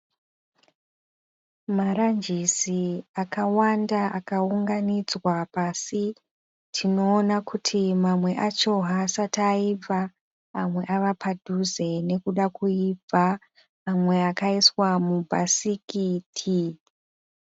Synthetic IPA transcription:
maɾand͡ʒisiakawandaʔakauŋɡanid͡zwapasi | tʰino̞ːnakutʰimamwe̞ʔat͡ʃo̞ɦasataib͡vaː | mwe̞ʔaʋapʰadʱuze̞ne̞kuɗakuib͡vaː | mwe̞akaiswamubʱasikitʰi

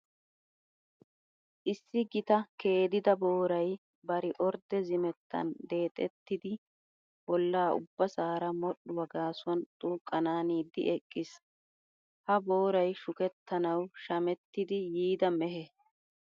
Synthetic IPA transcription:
ʔɪsːɪɡɪt̪ɐke̞ːd̪ɪd̪ɐboːɾɐj | bɐɾɪʔɔɾd̪ɛzɪmɛt̪ːɐ̰nd̪e̞ːt̪ʼɛ̰t̪ːɪd̪ɪ | bɔlːaːʊ̰bːɐsaːɾɐmɔɗːʊwɐɡaːsʊɐnt̪ʼuːkʼːɐnaːniːd̪ːɪ̰ɛkʼːɪs | hɐbo̞ːɾɐjʃʊkɛt̪ːɐnɐwʃɐmɛt̪ːɪd̪ɪjiːd̪ɐmɛɦɛ

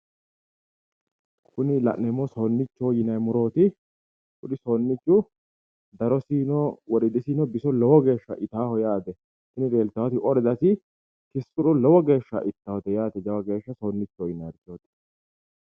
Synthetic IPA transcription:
kʰʊnɪlɐ̰ʔnːɛmːɔsoːnːɪt͡ʃːoːjɪnɐjmʊɾo̞ːt̪ɪ | kʊᶑɪsoːnːɪt͡ʃːʊ | d̪ɐɾɔsiːnɔwɔɾɪd̪ɪsiːnɔbɪsɔlɔwɔɡe̞ːʃːɐ̰ʔɪt̪aːhɔjaːt̪ɛ | kʊnɪɾe̞ːlt̪ːɐwɐt̪ɪʔɔɾɛd̪ɐsɪ | kɪsːʊᶑʊlɔwɔɡe̞ːʃːɐ̰ʔɪt̪ːɐhɔt̪ɛjaːt̪ɛd͡ʒɐwɐɡe̞ːʃːɐsoːnːɪt͡ʃːoːjɪnɐjɾt̪ːoːt̪ɪ̥

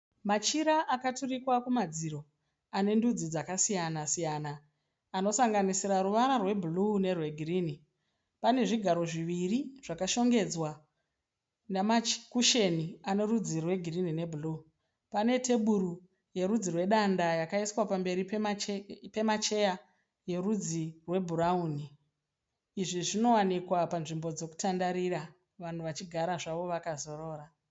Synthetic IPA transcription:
mat͡ʃiɾaʔakaturikwakumad͡ziɾo̞ | ane̞ndud͡zid͡zakasijanasijanaː | no̞saŋɡanisiɾaɾuʋanarwe̞bʱulune̞rwe̞ɡʱiriːni | pane̞ʐiɡʱaɾo̞ʐiʋiriʐ̥akaʃo̞ŋɡe̞d͡zwa | namakuʃe̞niane̞rud͡zirwe̞ɡʱirinine̞bʱulu | pane̞te̞ɓuɾu | je̞ɾud͡zirwe̞ɗandajakaiswapambe̞ɾi | pe̞mat͡ʃe̞ja | je̞rud͡zirwe̞bʱurauːni | ʐiʐino̞wanikwapanʐimbo̞d͡zo̞ku̥tandaɾira | ʋan̤uʋat͡ʃiɡʱaɾaʐaʋo̞ʋakazo̞ro̞ːɾa

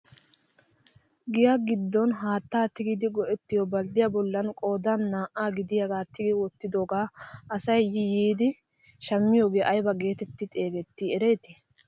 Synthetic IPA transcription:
ɡɪjaɡɪd̪ːɔnɦaːt̪ːaːt̪ɪɡɪd̪ɪɡɔʔɛt̪ːɪjɔbɐld̪ɪjabɔlːɐnkʼo̞ːd̪anːaːʔaːɡɪd̪ɪjɐɡaːt̪ːɪɡɪwɔt̪ːɪd̪o̞ːɡaːʔɐsɐjːɪjiːd̪ɪ | ʃɐmːɪjoːɡeʔɐjbɐɡe̞ːt̪ɛt̪ːɪt̪ʼe̞ːɡɛt̪ːɪɛɾe̞ːt̪ɪ

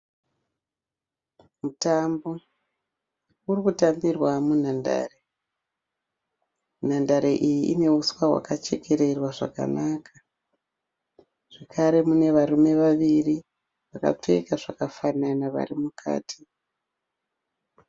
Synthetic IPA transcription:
mutambo̞ | urikutambirwamun̤anda̰ːre | n̤andaɾeʔijiʔḭne̞uswaɦwa̰kat͡ʃe̞kʰe̞ɾe̞rwaʐa̰ka̰nakʰḁ | ʐ̥ekʰaɾe̞mune̞ʋaɾume̞ʋaʋiri | ʋaka̰p͡fe̞̰kaʐakafananaʋa̰rimukʰa̰ːtʰi̥

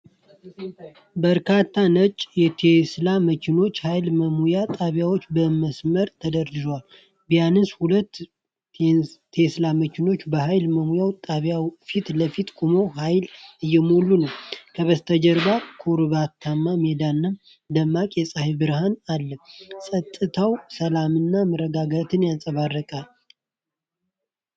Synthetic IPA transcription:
bəɾkʰat̪ʰːanət͡ʃʼjɛt̪ʰeslaməkʰɪno̞t͡ʃːhajlməmujat̪ʼaβjawo̞t͡ʃːbəməsməɾt̪ʰəd̪əɾdɨdowal | bijanɨnshulət̪ː | t̪ʰeslaməkʰɪno̞t͡ʃːbəɦajlməmujawt̪ʼaβjawfit̪ləfit̪ɡʰumo̞ɦajlɨjːɛmolːunəwkʰəβəst̪ʰəd͡ʒɛɾbakʰuɾβat̪ʰːamːamed̪anːɨm | d̪əmːakʼjɛsʼahbɨɾhanalːəsʼət̪ʼːɨt̪ʰawsəlamɨnːaməɾːəɡaɡat̪ʰɨnjansʼəβarːəkʼal

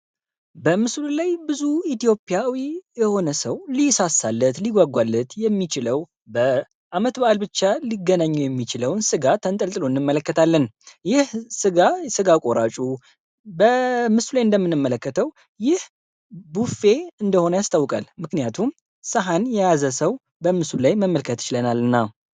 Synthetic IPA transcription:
bəmɨslulajbɨzuit̪jo̞pʼjawijɛho̞nəsəwlisasːalːət̪liɡʷaɡʷalːət̪jɛmːit͡ʃɪləw | bə | ʔamət̪baʔalbɨt͡ʃːaliɡːənaɲːujɛmːit͡ʃɪləwnsɨɡat̪ʰənt̪ʼəlt̪ʼɨlo̞ɨnːɨmːələkːət̪ʰalːənjɪhsɨɡasɨɡakʼoɾat͡ʃʼu | bəmɨsulajɨnd̪əmːɨnːɨmːələkːət̪ʰəw | jɪh | bufe̞ɨnd̪əho̞nəjast̪ʰawːɨkʼa̰lmɨknijat̪ʰum | səɦanjɛjazəsəw | bəmɨsulajməmːəlkʰət̪ɨ̥ɪt͡ʃɪlənalɨnːa

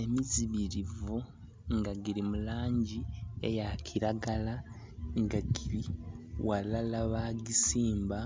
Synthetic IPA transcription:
e̞miziβiɾivu | ŋɡaɡiɾimulaːɲɟiḛjakʰiɾaɡala | ŋɡaɡiɾiwalalaβaɡisiːmba

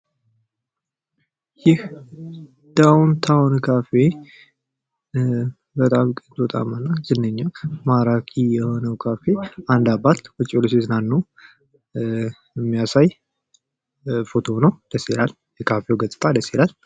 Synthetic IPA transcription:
jɪh | d̪̥awnt̪ʰawnkʰafe̞ | bət̪ʼamkʼənt̪ʼot̪ʼa̰manːazɨnːəɲːamaɾakʰijɛho̞nəwkʰafe̞and̪abat̪wɔt͡ʃʼːoles̬eznanːəw | əmːijasaj | fo̞t̪ʰo̞nəwd̪əselal | jɛkʰafewɡət̪ʼɨt̪ʼad̪əselal

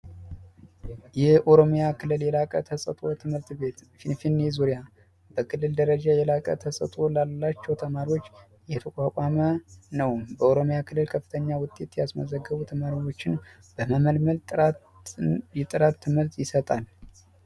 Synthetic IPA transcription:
jɛhʔo̞ɾo̞mjakʰɨlːɨljɛlakʼə̰t̪ʰəsʼə̰t̪ʼo̞t̪ʰɨmɨɾt̪bet̪ | ifinjɛzuɾija | b̥əkʰɨlːɨld̪əɾəd͡ʒajɛlakʼə̰t̪ʰəsʼə̰t̪ʼo̞lalːat͡ʃːɛwt̪ʰəmaɾiwo̞t͡ʃː | jɛt̪ʰəkʷʼakʷʼamənəwbəo̞ɾo̞mjakʰɨlːɨlkʰəfːɨ̥t̪ʰəɲːawʊt̪ʼe̞t̪jɛasmə̰zəɡːəβut̪ʰəmaɾiwo̞t͡ʃːɪn | b̥əməməlməlt̪ | jɛt̪ʼɨɾat̪ʰːɨmɨɾt̪jɪsət̪ʼal

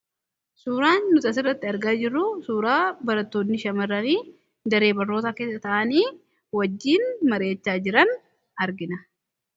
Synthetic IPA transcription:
suːɾaːnːʊt̪ʼɐs̬ɪrːɐt̪ːɪɐɾɡaːd͡ʒɪrːʊsuːɾaːbɐɾɐt̪ːoːnnɪʃɐmɐrːɐniː | d̪ɐɾe̞ːbɐrːoːt̪aːke̞ːsɐt̪ɐʔɐniː | wɐd͡ʒːiːnmɐɾe̞ːt͡ʃːaːd͡ʒɪɾɐn | ɐɾɡɪnɐ

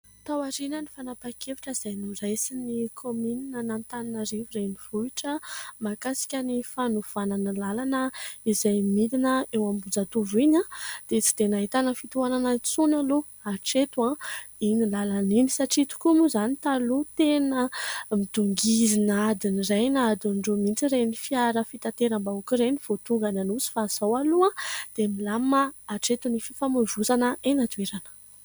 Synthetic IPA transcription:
t̪awaɾinənifanapakevi̥ʈ͡ʂəiz̥ajnuɾajsinikʰomininənant̪aninaɾivurejniv̥uiʈ͡ʂəmakasi̥kʲənifanuv̥ananəlalanəizajmid̪inəewambud͡zat̪uviɲãd̪̥et͡si̥d̪enaɦit̪anəfit̪uananat͡sunalo | aʈ͡ʂet̪uãinilalaninisaʈ͡ʂit̪u̥kumuzanit̪alut̪enəmid̪̥uŋɡizinad̪inirejnad̪aɳɖ͡ʐomint͡siɾenifiaɾəfit̪ant̪eɾambaukiɾeniv̥ot̪uŋɡananusi̥faz̥awaluãd̪̥emilamaːʈ͡ʂet̪unififamuvuzanəenat̪ueɾanə̥

